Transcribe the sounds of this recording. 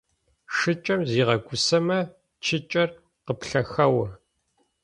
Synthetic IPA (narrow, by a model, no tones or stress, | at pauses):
ʂɨt͡ʃʼɐmziːʁɐɡʷʊsɐmɐ | t͡ʃʰɪt͡ʃʼɐr | qəpɬɐxɐwɐ